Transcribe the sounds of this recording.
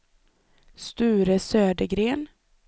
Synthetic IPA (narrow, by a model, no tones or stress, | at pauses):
st̪ʉ̟ːɾəsøːd̪əɡɾeːn